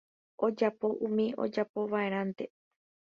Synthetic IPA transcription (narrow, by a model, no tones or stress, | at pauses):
ʔo̞d͡ʒapo̞ʔũmĩʔo̞̰d͡ʒapo̞ʋae̞ɾ̃ãnt̪e̞